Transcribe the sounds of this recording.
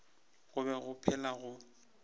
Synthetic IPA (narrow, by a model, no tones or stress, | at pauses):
ɣʊbɛɣʊpʰɛlaɣʊ